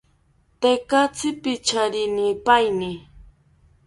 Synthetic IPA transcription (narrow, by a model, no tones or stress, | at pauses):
t̪ekat͡sɪpɪt͡ʃaɾɪnipajnɪ